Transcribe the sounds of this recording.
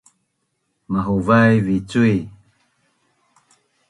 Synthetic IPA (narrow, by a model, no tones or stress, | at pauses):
maɦovajvit͡sui